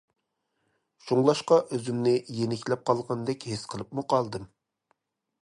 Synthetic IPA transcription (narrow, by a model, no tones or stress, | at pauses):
ʃuŋlˠɑʃqɑʔøzymnɪjenɪkʲlɛp̚qʰɑlˠʁɑnd̪ɛkʲɦesqʰəlˠɨpmuqʰɑlˠd̪ɨm